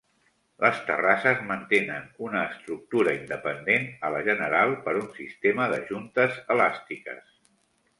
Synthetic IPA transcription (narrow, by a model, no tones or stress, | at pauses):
ləst̪ə̰rasəzmənt̪enənunəːst̪ɾuk̚t̪uɾəind̪əpənd̪enələʒənəɾalˠpəɾunsist̪eməðəʒunt̪əzəlast̪ikə̰s